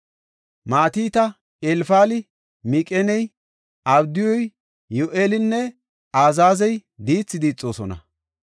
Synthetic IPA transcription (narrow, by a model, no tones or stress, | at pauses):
maːt̪iːt̪ɐ | elfaːlɪ | mikʼɛnɛj | ʔɐbd̪ɪjɔj | joʔeːlɪnːɛ | aːzaːzɛjd̪iːt͡sːɪd̪iːt͡sʼːo̞ːsɔnɐ̰